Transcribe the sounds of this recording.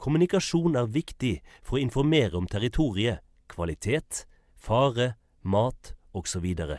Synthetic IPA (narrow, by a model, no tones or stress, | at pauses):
kʰʊmʉnɪkɑʃuːnæːʁʋɪkt̪ɪfɔʁoːɪnfɔʁmeːʁəɔmt̪ʰæʁɪt̪ʰuːʁɪə | kʰʋɑlɪt̪ʰeːt̪ | fɑːʁə | mɑːt̪oːɡsɔʋiːd̪əʁə̰